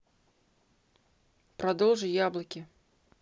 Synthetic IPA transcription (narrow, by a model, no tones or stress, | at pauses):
pɾad̪ɔlˠʐɨjablˠɐkʲi